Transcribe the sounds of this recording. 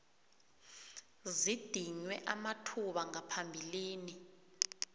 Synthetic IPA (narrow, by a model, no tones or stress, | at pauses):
zid̥ʱiɲwɛʔamatʰuɓaŋapʰambʱiliːni